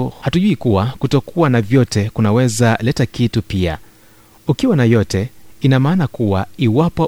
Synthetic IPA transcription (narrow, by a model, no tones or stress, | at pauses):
hatuʄuikuwakutɔkuwanavjɔtɛkunawɛzalɛtakitupia̰ | ukiwanajɔtɛinamaːnakuwaiwapɔ